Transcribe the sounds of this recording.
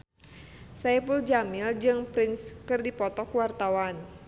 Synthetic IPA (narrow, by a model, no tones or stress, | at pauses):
sapuld͡ʒamɪld͡ʒɨŋpɾɪnskɨrdipɔt̪ɔkuwart̪awan